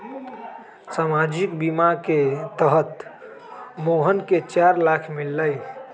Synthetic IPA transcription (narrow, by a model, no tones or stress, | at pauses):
samad͡ʒikbimaket̪əɦət̪ | moɦənket͡ʃaɾlakʰmilːəj